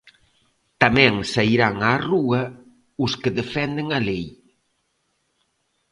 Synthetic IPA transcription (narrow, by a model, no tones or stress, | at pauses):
t̪amɛ̃ŋsaiɾaŋaruɐ | ʊskeðefɛnd̪eŋalej